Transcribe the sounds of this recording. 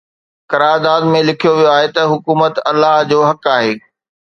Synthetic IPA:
kɐɾaːɾd̪aːd̪mẽlɪkʰijoʋijoaːɦet̪ɐɦʊkuːmət̪ɐlːaːɦd͡ʑoːɦɐkaːɦeː

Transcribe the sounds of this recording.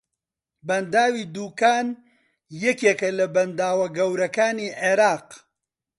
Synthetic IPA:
bɐnd̪aːwiːd̪uːkaːn | jɛkjekɐlɐbɐnd̪aːwɐɡɐwɾɐkaːniːʕeɾaːq

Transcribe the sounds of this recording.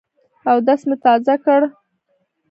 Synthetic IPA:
awd̪asmʊt̪ɑzakəɽ

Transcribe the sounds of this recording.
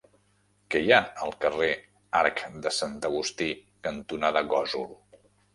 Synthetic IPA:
kɛjaəlˠkəre | aɾkd̪əsant̪əɣ̞ust̪ikənt̪unaðəɣɔzul

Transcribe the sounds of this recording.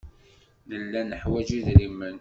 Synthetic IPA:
ðəlːænəħwæd͡ʒiðɾimːən

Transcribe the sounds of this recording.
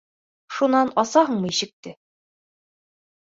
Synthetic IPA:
ʃunɑnɒsɑɦɤɴmɤjɕɘ̆k̚t̪ɘ

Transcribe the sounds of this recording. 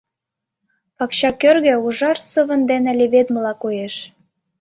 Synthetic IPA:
pɑkɕɑkørɣĕuʒɑrsəβə̆nd̪enĕlʲeβed̪məlɑkojeʃ

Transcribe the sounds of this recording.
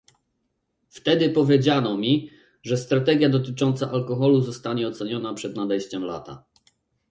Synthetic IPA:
ft̪ɛd̪ɘpɔvʲjed͡ʑanɔmʲi | ʐɛst̪ɾat̪ɛɡʲjad̪ɔt̪̬ɘt͡ʂɔnt̪saʔalkɔxɔluzɔst̪aɲɛɔt̪sɛɲɔnapʂɛd̪nad̪ɛjɕt͡ɕɛmla̰t̪a̰

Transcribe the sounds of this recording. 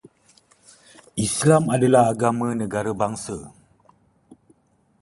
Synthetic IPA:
ʔislamadalahaɡamãnəɡaɾəbaŋsə

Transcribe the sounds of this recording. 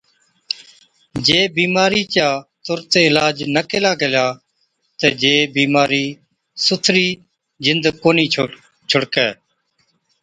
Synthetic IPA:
d͡ʒeːbiːmaːɾiːt͡ʃaːt̪ʊɾt̪eːɪlaːd͡ʒnəkɪlaːɡəljaː | t̪eːd͡ʒeːbiːmaːɾiː | sʊt̪ʰɾiː | d͡ʒɪnd̪koːniː | t͡ʃʰʊɽkɛː

